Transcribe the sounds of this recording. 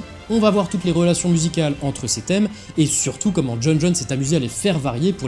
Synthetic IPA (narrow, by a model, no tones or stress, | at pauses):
ɔ̃vavwaʁt̪ut̪leʁəlasjɔ̃myzikʲalɑ̃t̪χəset̪ɛm | esyʁt̪ukɔmɑ̃d͡ʒɔnʒɔnsɛt̪amyzealefɛʁvaʁjepuʁ